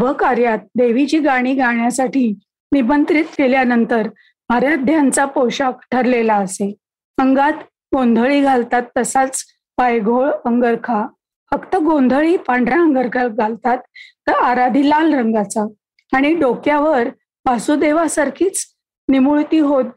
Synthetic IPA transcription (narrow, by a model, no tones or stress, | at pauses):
bʱəkaɾjat̪̚d̪eʋit͡ɕiːɡaɽ̃iːɡaɳ̃jasaʈʰiː | nibənt̪ɾit̪kʰeljanənt̪əɾ | maɾjad̪ʱjant͡sapowɕakʈʰəɾlelaəse | əŋɡat̪ | ɡond̪ʱəɭiːɡʱalt̪at̪ːəsat͡s | bajɡʱoɭəŋɡəɾkʰa | fəkt̪əɡõnd̪ʱəɭiːpaɳɖʱɾãəŋɡəɾkʰaɡʱalt̪at̪ː | əɾaɾad̪ʱiːlalɾəŋɡat͡sa | aɽ̃iɖokjaʋəɾ | basud̪eʋasaɾkʰiːt͡s | nimuɭt̪iːɦot̪̚